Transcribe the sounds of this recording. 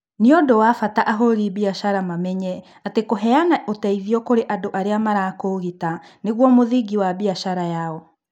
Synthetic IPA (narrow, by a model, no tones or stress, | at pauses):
niodowafataʔaɦoɾibiaʃaɾamamɛɲɛ | atekoɦɛanaʔotɛiðiɔkoɾeʔadoʔaɾeamaɾakoɣitaneɣwɔmoðiɡiwabiaʃaɾajaɔ